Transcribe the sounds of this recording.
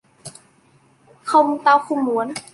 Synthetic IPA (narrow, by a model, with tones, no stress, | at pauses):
kʰa˧m˧t̪aː˧˩wkʰu˧˩˨mːu˨˩˦n